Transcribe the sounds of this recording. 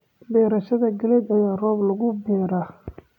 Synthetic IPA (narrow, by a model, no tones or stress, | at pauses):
bɛːɾɐʃɐðɐɡɐlɛdɐjaːrɔːblɐɣʊbɛːɾa